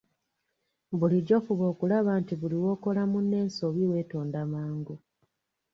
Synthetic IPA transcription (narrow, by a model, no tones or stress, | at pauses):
buliɟɟo̞fuβo̞ːkulaβaːntiβuliwo̞ːko̞lamunːe̞ːnso̞βiwe̞ːto̞ːndamaːŋɡu